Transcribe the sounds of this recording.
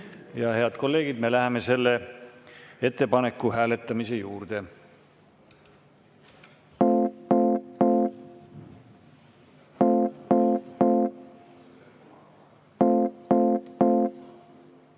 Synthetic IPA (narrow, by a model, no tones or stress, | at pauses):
jɑhe̞ɑd̪̥ko̞lːe̞ːɡ̥id̪̚me̞læheme̞se̞lːe̞ | e̞t̪ːe̞pɑne̞kːˑuɦæːle̞t̪ːˑɑmise̞juːrd̪̥e̞